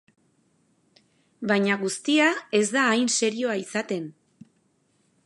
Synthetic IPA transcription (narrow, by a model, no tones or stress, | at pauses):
bajɲaɣust̪iae̞zd̪aːjnse̞ɾio̞aisat̪e̞n